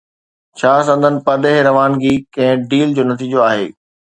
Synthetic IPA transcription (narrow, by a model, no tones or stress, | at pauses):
t͡ɕʰaːsɐ̃nd̪ənɪ̆pɐd̪eɦɾɐʋaːnd͡ʑiːkɐ̃ɦɪ̃ɖiːld͡ʑoːnɐt̪iːd͡ʑoaːɦeː